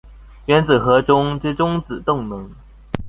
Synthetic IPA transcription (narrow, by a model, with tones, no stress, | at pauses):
ɥɛ˧˥nt͡s̩˨˩xɤ˧˥ʈ͡ʂʊ˥ŋʈ͡ʂ̩˥˩ʈ͡ʂʊ˥ŋt͡sɹ̩˨˩t̪ʊ˥˩ŋnɤ˧˥˦ŋ